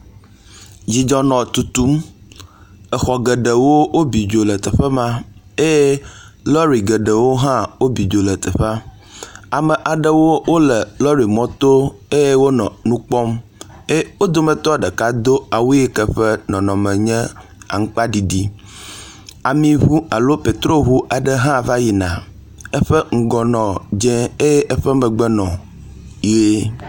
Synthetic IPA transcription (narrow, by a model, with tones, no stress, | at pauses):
d͡ʑi˨d͡ʒɔ˨nɔ̃˨t̪u˨t̪u˦m | ə˨xɔ˨ɡə˨ɖə˨wo˦wo˦bi˨d͡ʒo˨lə˨t̪ɛ˨ɸə˦mã˦e˦je˦ | lɔ˦ɾi˨ɡə˨ɖə˨wo˦ɦã˦wo˦bi˨d͡ʒo˨lə˨t̪ə˨ɸa˦ | a˨mə̃˨ʔa˨ɖə˦wo˦wo˦lə˨lɔ˦ɾi˨mɔ̃˦t̪o˦e˦je˦wo˦nɔ̰̃˨nũ˦k͡pɔ˦m | e˦wo˦d̪o˦mə̃˨t̪ɔ˦ɖə˨ka˦d̪o˦a˨wu˦e˦kɛ˦ɸɛ˦nɔ̃˨nɔ̃˨mɛ̃˨ɲɛ̃˦a̰˨ŋ̩˦k͡pa˦ɖi˨ɖi˦ | a˨mĩ˨ɦu˦a˨lo˦pe˨t̪ɾo˦ɦu˦ʔa˨ɖə˦ɦã˦va˦ji˨nã̰˨ | ɛ˦ɸə˦ŋ̩˨ɡɔ˨nɔ̃˨d͡ʒɛ̃˦e˦je˦ʔɛ˦ɸɛ˦mɛ̃˨ɡ͡bɛ˦nɔ̃˨ | je˦